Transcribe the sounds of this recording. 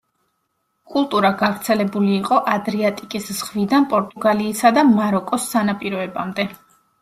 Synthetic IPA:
kʼulˠt̪ʼuɾaɡavɾt̪sʰɛlɛbuliːqʼɔʔad̪ɾiat̪ʼikʼisz̥ʁvid̪anpʼɔɾt̪ʼuɡaliːsad̪amaɾɔkʼɔsːanapʼiɾɔɛbamd̪ɛ

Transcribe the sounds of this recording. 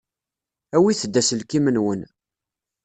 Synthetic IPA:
æwiθəd̪ːæsəlkimənwən

